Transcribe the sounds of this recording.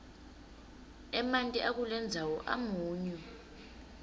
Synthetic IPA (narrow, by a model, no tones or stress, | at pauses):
ɛmantʼiʔak̬ulɛnd͡zʱawɔʔa̰muːɲɛ